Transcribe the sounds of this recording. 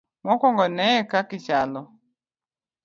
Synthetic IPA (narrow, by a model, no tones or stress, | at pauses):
mɔkɔŋɡɔnɛɛkakit͡ʃalɔ